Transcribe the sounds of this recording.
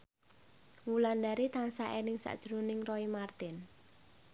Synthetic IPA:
wuland̪aɾit̪aŋsaʔɛnɪŋsa̰ʔd̥ʒ̥ɾunɪŋrɔimart̪ɪn

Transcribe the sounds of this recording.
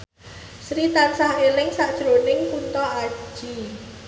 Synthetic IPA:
sɾit̪ansahelɪŋsaʔd̥ʒ̥ɾonɪŋpunt̪ɔḁʒ̥i

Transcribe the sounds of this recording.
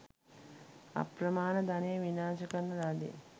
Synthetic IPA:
a̰pɾəmaːnəd̪anejəʋinaːʃəkənnːəɾad̪eḛ

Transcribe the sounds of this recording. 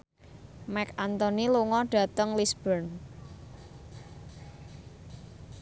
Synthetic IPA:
mɛkant̪ɔniluŋɔɖ̥ä̤t̪əŋlisb̥ən

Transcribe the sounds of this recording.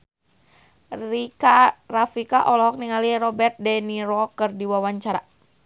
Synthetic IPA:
ikarafikaʔɔlɔɦɔk̚niŋaliɾɔbɛrt̪̚dɛniɾɔkərdiwawaɲt͡ʃaɾa̰

